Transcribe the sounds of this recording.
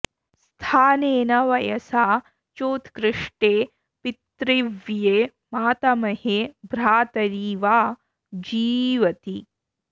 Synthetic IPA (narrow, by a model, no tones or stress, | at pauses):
st̪ʰaːneːnɐʋɐjɐsaː | t͡ʃoːt̪ʰkɾɪʂʈeː | pit̪ɾiʋjeː | maːt̪ɐmɐhebɾaːt̪ɐɾiːʋaː | d͡ʒiːʋɐt̪i